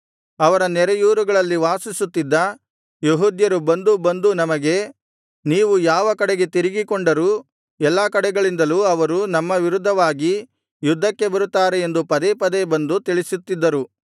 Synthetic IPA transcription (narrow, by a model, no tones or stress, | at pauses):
ɐʋɐɾɐnɛɾɐjuːɾuɡɐɭɐlːiʋaːsisut̪ːid̪ːɐ | jeɦuːd̪jɐɾubɐnd̪ubɐnd̪unɐmɐɡe̞ | niːʋujaːʋɐkɐɽɛɡe̞t̪iɾiɡikoɳɖɐɾu | ɛlːaːkɐɽɛɡɐɭind̪ɐluɐʋɐɾunɐmːɐʋiɾud̪ʱːɐʋaːɡi | jud̪ʱːɐkːe̞bɐɾut̪ːaːɾeend̪upɐd̪epɐd̪ebɐnd̪ut̪iɭisut̪ːid̪ːɐɾu